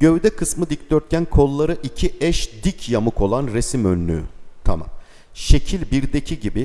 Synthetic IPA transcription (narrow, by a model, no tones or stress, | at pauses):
ɟ̥øvd̪ɛkʰɯsmɯd̪ic̚d̪øɾt̪̚cʲʰænkʰo̞lˠːaɾɯʔicʰiʔɛʃd̪icʰjamukʰo̞lˠanɾesimønːy̰t̪ʰa̰ma̰m | ʃe̞cʰilʲbiɾd̪ecʰiɟibi